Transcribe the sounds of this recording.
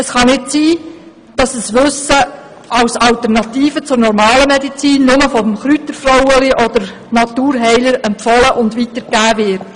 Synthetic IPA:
əsχɑnɪtsiː | d̥ɑsəsʋʏsə | ʔɑwsɑltəɾnɑt̪iːfət͡sʊɾnɔɾmɑːləmɛdit͡siːnːʊməfɔmχɾytəɾfrowəliʔɔd̥̪əɾ | nɑtuːɾɦɛɪləɾɛmpfɔləʔʊndʋitəɾɡæːvɪɾt

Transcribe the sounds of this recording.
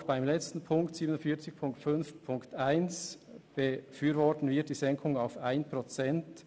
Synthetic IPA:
xb̥aɪmlɛt͡stn̩pʰʊŋktsiːbənʊnfiːɐt͡sɪçpʰʊŋktfʏnfpʰʊŋktaɪnsb̥əfyːɾvɔtn̩vɪɐtd̥iːzɛŋkʰʊŋaʊfaɪnpʁot͡sɛnt

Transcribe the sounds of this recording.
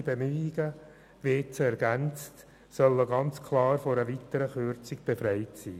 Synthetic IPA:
bemyːɪɡ̥ə | ʋeːt͡sɛɾɡ̥ænt͡st | sœlːəɡɑnt͡skʰlɑːɾfɔɾəʋit̪əɾəχøɾt͡sɪɡb̥efɾɛɪtsḭː

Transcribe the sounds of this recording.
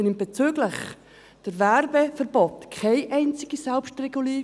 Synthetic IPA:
nɪmb̥ɛt͡syɡləχ | d̥əɾvɛrbefəɾb̥ɔtkʰaɪʔɛɪnt͡sɪɡ̥isɛlpʃtrɛɡuliː

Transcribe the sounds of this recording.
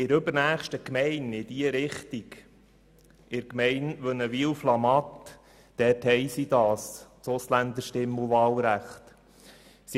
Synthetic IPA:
ɪɾɵbəɾnæːχʃtəkmɛɪnɪd̥iəɾɪχt̪iɡ | ɪɾkmɛɪnʋœnəʋiːlflɑmɑt̪ | d̥ɛːthɛɪsid̥̪ɑːst͡sʊslænd̪əɾʃtɪmuʋɑːlɾæχt̪ | si

